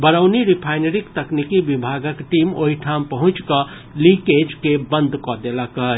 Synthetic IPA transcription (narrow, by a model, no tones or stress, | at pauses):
bəɾəʊniɾipʰaɪneɾikt̪əknikibibʱaɡəkʈimo̰ɦiʈʰampəɦʊ̃t͡ʃkə | liked͡ʒkebənd̪ʱkɔd̪elakəɦ